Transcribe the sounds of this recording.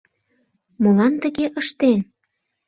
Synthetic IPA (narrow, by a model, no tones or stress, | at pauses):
molɑnt̪ə̆ɣeʔəʃt̪en